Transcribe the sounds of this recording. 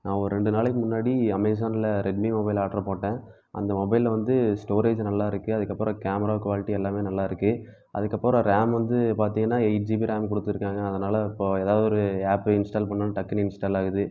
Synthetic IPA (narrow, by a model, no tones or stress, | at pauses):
nãːɔɾɯɾɛɳɖɯnaːlɛkːɯmʊnːaːɽiɐmɐɪs̬aːnɪlɐɾɛɖ̚mimɔbɐɪlaːʈːɐɾɐpoːʈːẽː | ʔɐ̰nd̪ɐmɔbɐɪlʋɐnd̪ɯsʈoːɾeːd͡ʒnɐlːaːɪɾɯkːɯɐðɯkːɐpːɾɐ̃kaːmɐɾaːkʋaːlɪʈːiɛlːaːmeːnɐlːaːɪɾɯkːɯ | ʔɐ̰ðɯkːɐpːoːɾɐ̃ɾaːmʋɐnd̪ɯpaːɾt̪iːŋɡɐnːaːɐɪʈd͡ʒibiɾaːmkɔɽɯt̪ːɪɾɯkːaːŋɡɐːðɐnaːlɐɪpːoːeːðaːʋðɯɔɾɯaːpːɪnsʈaːlpɐɳːɐnɐʈɐkːɐnɪnsʈaːlaːɣɯðɯ